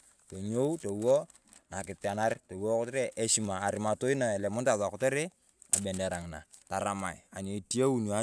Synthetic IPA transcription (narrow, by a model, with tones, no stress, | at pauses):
to˨ɲo˦wto˨wo˦ | na˨kɪ˨ta˨na˦ɾto˨wo˦kɔ˦te˦ɾe˦ʔe˦ʃi˨maː˨ɾɪ˨˦ma˨to˦i˦na˨e˨le˨mu˦nta˨ða˨kɔ˦te˦ɾe˦ | a˨be˨nde˨ɾa˨ŋ˨na̰˨ta˨ɾa˨ma˨ḭ˨a˨ɲe˨ti˦e˦u˦n˨a˦